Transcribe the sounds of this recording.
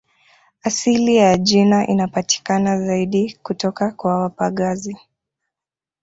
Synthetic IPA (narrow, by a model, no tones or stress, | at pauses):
asilijaʄinaʔḭnapati̥kanazaiɗikutɔkakwawapaɠazi